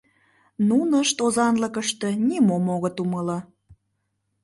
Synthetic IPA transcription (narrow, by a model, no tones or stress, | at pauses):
nunəʃt̪ozɑnləkəʃt̪enʲimomoɣət̪umələ